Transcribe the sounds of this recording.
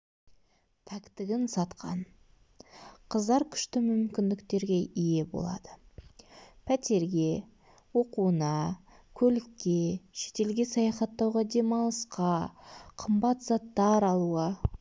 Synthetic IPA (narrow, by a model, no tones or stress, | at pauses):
p̪ʰækt̪ɪɡʲɪnsɑt̪qʰɑ̰n | qʰəzd̪ɑɾkʲʰʏ̥ʃt̪ɪmʏmkʲɪnd̪ɪkt̪e̞ɾɡʲe̞ʔije̞bo̞̰lˠɑ̰d̪̥ə | pʰæt̪e̞ɾɡʲe̞ | wo̞quənɑ | kʲʰɵlɪkʲːe̞ʃe̞̥t̪e̞lɡʲe̞sɑjɑχɑt̪ːɑwʁɑd̪e̞mɑlˠəsqɑqʰəmbɑt̪zɑt̪ːɑɾɑlˠuə